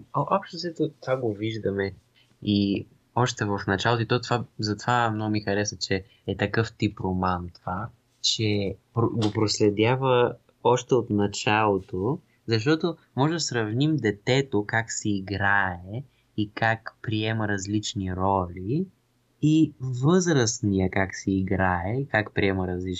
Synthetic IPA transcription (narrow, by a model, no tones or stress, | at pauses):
ʔɔpʃt̪osɛt̪ot̪vaɡoviʒd̪əmɛ | i | ɔʃt̪ɛvɐfnɐt͡ʃalˠot̪oit̪ɔt̪vazɐt̪ovamnɔɡʊmixɐɾɛsət͡ʃɛ | ɛt̪ɐkɤft̪ipɾomant̪ova | t͡ʃɛpɾoɡopɾoslɛd̪ʲjavə | ɔʃt̪ɛot̪nɐt͡ʃalˠot̪o | zɐʃ̬t̪ɔt̪o | mɔʒɛd̪ɐsɾɐvnimd̪ɛt̪ɛt̪okaksɛːɡɾaɛ | ikakpɾiɛməɾɐzlit͡ʃniɾɔlʲi | ivɤzɾəsnijəkaksɛːɡɾaɛikakpɾiɛməɾɐzlit͡ʃ